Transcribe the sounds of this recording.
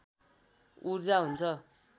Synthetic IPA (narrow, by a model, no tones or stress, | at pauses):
urd͡zaɦunt͡sʰʌ